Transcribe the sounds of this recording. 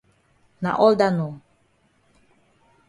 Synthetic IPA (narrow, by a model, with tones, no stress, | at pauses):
na̰˨ʔɔ˦ld̪anu